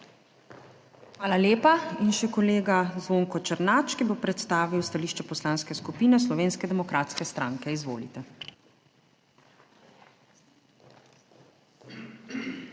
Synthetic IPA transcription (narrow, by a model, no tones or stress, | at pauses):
xʋaːlaljeːpainʃɛkɔleːɡazʋoːŋkɔt͡ʃəɾnaːt͡ʃkibopɾɛt̪st̪aːʋiwst̪aliːʃt͡ʃɛpɔslanskɛskupiːnɛslɔʋeːnskɛd̪ɛmɔkɾaːt̪skɛst̪ɾaːŋkɛizʋo̰ːlḭt̪ɛ